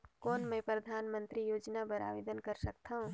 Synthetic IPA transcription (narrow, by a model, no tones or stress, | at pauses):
koːnmẽpɾəd̪ʱaːnmə̃nt̪ɾijoːd͡ʒnabəɾa̰ːʋeːd̪ənkəɾsək̚t̪ʰaɦũ